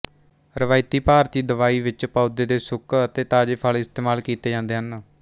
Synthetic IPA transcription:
ɾəʋaːɪt̪iːpaːɾt̪iːd̪əʋaːiːʋɪt͡ʃpaːd̪eːd̪eːsʊkət̪eːt̪aːd͡ʒeːpʰalɪst̪eːmaːlkiːt̪eːd͡ʒãːnd̪eːɦən

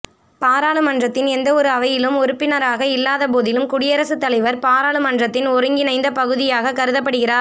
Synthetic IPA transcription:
paːɾaːɭɯmɐndrɐt̪ːɪnɛnd̪ɐɔɾɯɐʋɐjɪlɯmɔɾɯpːɪnɐɾaːɣɐɪlːaːðɐpoːðɪlɯmkʊɽɪjɐɾɐsɯt̪ːɐlɐɪʋɐɾpaːɾaːɭɯmɐndrɐt̪ːɪnɔɾɯŋɡɪnɐɪnd̪ɐpɐɣɯðɪjaːɣɐkɐɾɯðɐp̬ːɐɽɯɣɪraːɾ

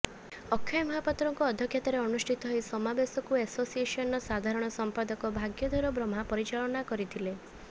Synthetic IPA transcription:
ɔkʰjɔjmɔɦapat̪ɾɔŋkɔːd̪ʱjɔkʰjat̪ɔɾeɔnusʈʰit̪ɔɦɔjsɔmabesɔkuesosiesɔnɔsad̪ʱaɾɔɽ̃ɔsɔmpad̪ɔkɔbʱaɡjɔd̪ʱɔɾɔbɾɔmapɔɾit͡ʃaɭɔnakɔɾit̪ʰile

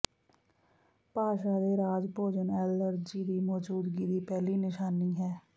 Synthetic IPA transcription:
paːʃaːd̪eːɾaːd͡ʒpoːd͡ʒənɛːləɾd͡ʒiːd̪iːmɔːd͡ʒuːd̪ɡiːd̪iːpɛːliːnɪʃaːniːɦɛː

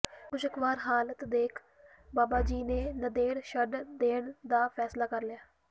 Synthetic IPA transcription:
kʊt͡ʃʰəkʋaːɾɦaːlət̪d̪eːkʰ | baːbaːd͡ʒiːneːnəd̪eːɽʃəɖd̪eːɳd̪aːpʰɛːslaːkəɾljaː

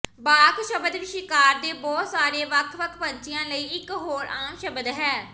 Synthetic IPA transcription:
baːkʃəbəd̪ʋɪʃɪkaːɾd̪eːbɔːt̪saːɾeːʋəkʰʋəkʰpəɲt͡ʃɪjãːləiːɪkɦoːɾʔaːmʃəbəd̪ɦɛː

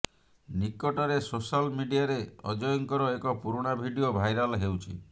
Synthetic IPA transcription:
nikɔʈɔɾesosalmiɖiaɾeɔ̰d͡ʒɔjɔŋkɔɾɔekɔpuɾuɽ̃abʱiɖiobʱajɾalɦewt͡ʃʰḭ

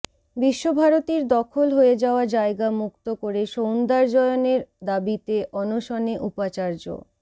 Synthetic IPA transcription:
biʃːobʱaɾot̪iɾd̪ɔkʰolɦoed͡ʑaoad͡ʑaeɡamuk̚t̪okoɾeʃownd̪aɾd͡ʑɔeoneɾd̪abit̪eʔɔnoʃɔneʔupat͡ɕaɾd͡ʑo̰

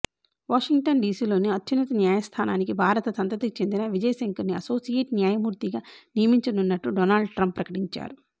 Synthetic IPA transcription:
ʋaːʂiŋɡ̚ʈɐnɖiːsiːlo̞ːniɐt̪jɐnɐt̪ɐnjaːjɐst̪ʰaːnaːnikibʱaːɾɐt̪ɐsɐnt̪ɐt̪ikit͡ʃe̞nd̪inɐʋid͡ʒɐjɐsɐŋkɐɾniɐso̞ːsijeːʈnjaːjɐmuːɾt̪iɡaːnijɐmiɲt͡ʃɐnunːɐʈːuɖɔnaːlɭɖʈɾɐmpːɾɐkɐʈiɲt͡ʃa̰ːɾu

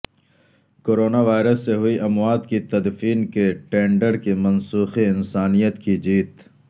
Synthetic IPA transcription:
koːɾoːnaʋaːɪɾəsːeɦʊiʔɐmwaːd̪kit̪ɐd̪fiːnkeʈẽːɳɖəɾkimɐnsuːxiɪnsaːnijət̪kid͡ʒiːt̪

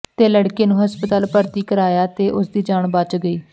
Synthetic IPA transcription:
t̪eːləɽkeːnũːɦəspət̪aːlpəɾt̪iːkəɾaːjaːt̪eːʔʊsd̪iːd͡ʒaːɳbat͡ʃɡəiː

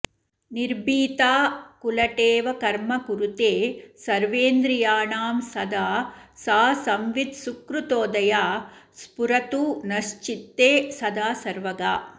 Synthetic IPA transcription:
niɾbiːt̪aːkulɐʈeːʋɐkɐɾmɐkuɾut̪eːsɐɾʋeːnd̪ɾijaːɳaːmsɐd̪aːsaːsɐmʋid̪sukɾut̪oːd̪ɐjaː | spuɾɐt̪uːnɐʃt͡ʃit̪ːeːsɐd̪aːsɐɾʋɐɡaː

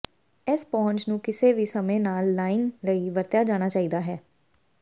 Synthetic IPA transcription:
ɪspɔ̃ːɲt͡ʃnũːkɪseːʋiːsəmẽːnaːlːaːiːnləiːʋəɾt̪jaːd͡ʒaːɽ̃aːt͡ʃaːiːd̪aːɦɛː

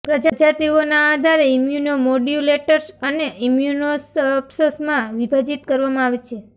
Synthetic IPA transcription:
pɾəd͡ʒad͡ʒat̪ionaːd̪ʱaɾeimjunomoɖjuleʈəɾsəneʔimjunosəpsosmãʋibʱad͡ʒit̪kəɾʋamãaʋet͡ʃʰe

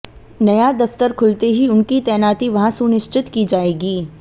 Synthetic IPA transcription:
nɐjad̪ɐft̪əɾkʰʊlt̪eɦiʊnkit̪ɛːnaːt̪iʋɐɦãsunɪʃt͡ʃɪt̪kid͡ʒaːeːɡiː

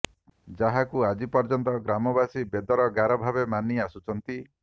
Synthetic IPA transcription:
d͡ʒaɦakuad͡ʒipɔɾd͡ʒɔnt̪ɔɡɾamɔbasibed̪ɔɾɔɡaɾɔbʱabemaniasut͡ʃʰɔnt̪i

